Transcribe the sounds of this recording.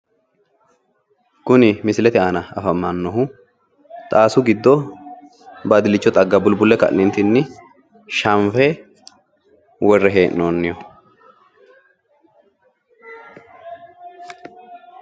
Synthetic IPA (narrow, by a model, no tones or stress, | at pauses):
kʊnɪmɪsɪlɛt̪ɪaːnɐɐfɐmːɐnːɔɦʊ | t̪ʼaːsʊɡɪd̪ːɔ | bɐd̪ɪlɪt͡ʃːɔt̪ʼɐɡːɐbʊlbʊlːɛkɐ̰ʔnɪnt̪ɪnːɪ | ʃɐmfɛ | wɔrːɛɦeːʔnoːnːɪjɔ